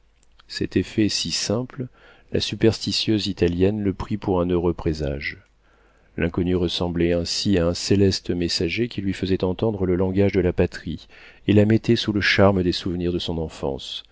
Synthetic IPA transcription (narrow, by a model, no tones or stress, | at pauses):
sɛ̰t̪efɛsisɛ̃pl | la̰sypɛʁst̪isjøzit̪aljɛnləpχipuʁɛ̃nøʁøpχeza̰ʒ | lʔɛ̃kɔnyʁəsɑ̃blɛɛ̃siaɛ̃selɛst̪əmesaʒekʲilɥifəzɛt̪ɑ̃t̪ɑ̃d̪ʁələlɑ̃ɡaʒd̪əlapat̪χi | elamɛt̪ɛsuləʃaʁməd̪esuvniʁd̪əsɔ̃nɑ̃fɑ̰̃s